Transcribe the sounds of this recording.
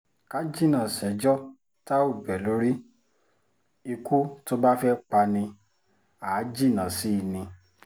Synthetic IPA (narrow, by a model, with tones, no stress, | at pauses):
ka˦d͡ʒi˦˨nã˨sɛ˨˦d͡ʒɔ˦ | ta˦o˦˨bɛ˨lo˨˦ɾi˦ | i˧ku˦to˦ba˦fɛ˦k͡pa˧nĩ˧ | a˨˦d͡ʒi˦˨nã˨si˨˦˨nĩ˧